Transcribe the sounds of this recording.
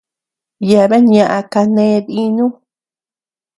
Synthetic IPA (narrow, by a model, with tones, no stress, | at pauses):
ja˧βe˦ɲã˧ʔa˧ka˧nẽ˦˧˦ði˦nũ˦